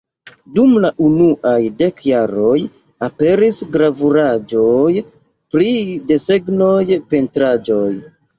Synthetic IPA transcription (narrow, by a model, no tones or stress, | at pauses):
dumlaʔunuʔajde̞kjaɾo̞j | ape̞ɾisɡɾavuɾad͡ʒo̞j | pɾide̞se̞ɡno̞jpe̞ntɾad͡ʒo̞j